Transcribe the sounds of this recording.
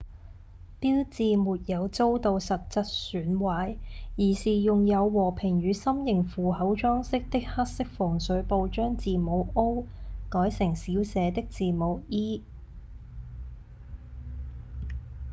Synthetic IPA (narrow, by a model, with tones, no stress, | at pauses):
piː˥wt͡siː˨˧muː˨t̚jɐ˨˧wt͡so˥wt̪o˨˧wsɐ˨t̚t͡sɐ˥t̚syː˨˥nwaː˨˧˥jjiː˨˩siː˨jʊ˨ŋjɐ˨˧wːɔː˨˩pʰɪ˨˩ŋjyː˨˧sɐ˥mjɪ˨˩ŋfuː˨hɐ˨˥wt͡ʃɔː˥ŋsɪ˥k̚t̪ɪ˥k̚hɐ˥t̚sɪ˥k̚fʊ˨˩ŋsɵ˨˥ɥpo˧wt͡ʃœː˥ŋt͡siː˨mo˨˧wʔo˥wkɔː˨˥jsɪ˨˩ŋsiː˨˥wsɛː˨˧t̪ɪ˥k̚t͡siː˨˩mo˨˧˥wiː˥